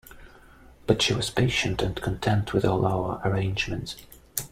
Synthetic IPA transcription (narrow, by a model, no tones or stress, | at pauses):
b̥ʌtʃiwʌz̥pʰeɪʃɨ̃ntʰɨ̃nkʰə̃ntʰɛ̃ntʰwɨðɔlˠaʊə˞ʔə˞ẽɪ̃nd͡ʒmɨ̃nts